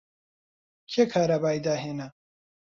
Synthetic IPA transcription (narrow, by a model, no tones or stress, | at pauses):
kʰekʰaːɾabaːjd̪aːɦeːna